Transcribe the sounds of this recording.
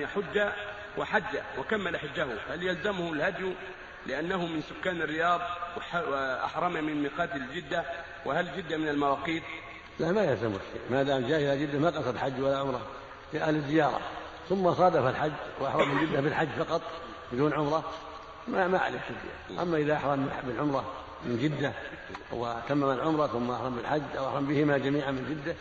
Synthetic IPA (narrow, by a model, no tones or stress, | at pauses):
aħʊd͡ʒːa | wɪħad͡ʒːawɪkamːalħʊd͡ʒːahʊhaljalzamhʊlhad̪j | lɪʔanːahʊmɪnsʊkːaːnɪrːɪjɑːðˤwɪħaʔa̰ħɾˤɑmamɪnmiqɑːt̪ɪld͡ʒɪd̪ːa | wɪhald͡ʒɪd̪ːamɪnalmawɑːqiːt̪ | laʔmajalzamhʊʃḛːʔmad̪aːmd͡ʒaːhɪlad͡ʒɪd̪ːamaqɑsˤɑd̪ħad͡ʒːwalːaʕʊmɾˤɑ | ʔalɪzːɪjɑːɾˤɑ̰ | θʊmːɑsˤɑːd̪afalħad͡ʒːwʔaħɾˤɑmːɪnd͡ʒɪd̪ːabɪlħad͡ʒːfɑqɑt̪ˤ | bɪd̪uːnʕʊmɾˤɑ | mamaʕa̰lɪffɪzɪ̰a̰ːʔa̰mːaʔɪðaʔaħɾˤɑmbɪlʕʊmɾˤɑ | mɪnd͡ʒɪd̪ːa | wɪt̪amːamalʕʊmɾˤɑθʊmːaʔaħɾˤɑmbɪlħad͡ʒːʔawʔaħɾˤɑmbɪhɪmad͡ʒamiːʕamɪnd͡ʒɪd̪ːa